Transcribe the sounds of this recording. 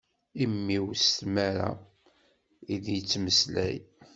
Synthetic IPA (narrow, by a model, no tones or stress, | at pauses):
imːiwst̪mæɾa̰ | iðjət͡sːməslæ̰j